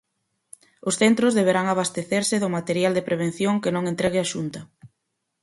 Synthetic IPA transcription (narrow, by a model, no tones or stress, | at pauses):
ʊsθent̪ɾʊzðeβ̞eɾaŋaβast̪eθeɾsɪðʊmat̪eɾjald̪epɾeβ̞en̟θjoŋkɪnõŋent̪ɾɛɣɪaʃunt̪ɐ